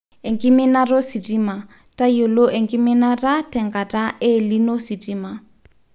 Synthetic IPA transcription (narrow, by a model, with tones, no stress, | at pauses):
e˨ŋkʼi˦mɪ˦na˦ro˦si˨tʼima˨ | tʼa˦jo˨lo˦ʔe˨ŋkʼi˦mɪ˦na˦ra˦tʰʼɛ˨ŋkʼa˨tʼaʔɪli˦no˦si˨tʼiːma˨